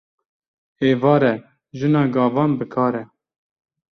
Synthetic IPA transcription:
eːvɑːɾɛ | ʒɨnɑːɡɑːvɑːnbɨkʰɑːɾɛ

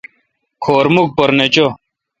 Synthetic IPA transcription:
kʰoːɾmuk̚pɐɾnet͡ɕo

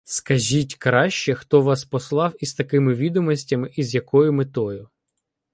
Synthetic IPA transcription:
skɐʒʲitʲkɾɑʃt͡ʃɛxt̪ɔʋɑspɔslˠɑwist̪ɐkɪmɪʋʲid̪ɔmɔsʲtʲɐmɪʔizjɐkɔjʊmɪt̪ɔjʊ

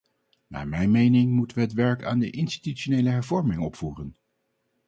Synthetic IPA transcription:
na̰ːɹmɛjnmejnɪŋmutəʋəɦətʋɛɹka̰ːndəʔɪnsti̥tyt͡ʃonejləɦɛɹvɔɹmɪŋɔpfuːrən

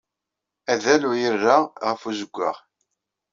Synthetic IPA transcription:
æðælujərːaʁəfuzəɡʷːə̰ʁ

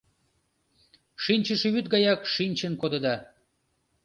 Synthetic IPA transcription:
ʃinʲt͡ɕəʃeβyt̪̚ɡɑjɑkʃinʲt͡ɕənkod̪əd̪ɑ

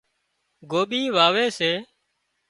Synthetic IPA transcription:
ɡoːɓiːʋaːʋeːseː

